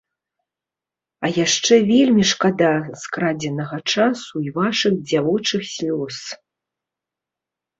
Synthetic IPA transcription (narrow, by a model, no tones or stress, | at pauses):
ɐjaʂt͡ʂɛvʲelʲmʲiʂkad̪askɾad͡zʲɛnɐɣɐt͡ʂasuivaʂɨɣd͡zʲavɔt͡ʂɨxsʲlʲɔs